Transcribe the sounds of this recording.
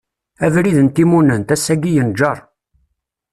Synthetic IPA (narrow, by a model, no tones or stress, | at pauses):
ævɾiðənt̪imunənt̪æsːæɡijənd͡ʒɑɾˤ